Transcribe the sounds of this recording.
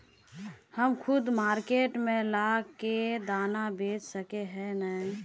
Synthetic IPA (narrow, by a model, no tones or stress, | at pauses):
həmkʰʊd̪maːɾkeːʈmẽlaked̪aːnabeːt͡ʃsəkeɦɛnəi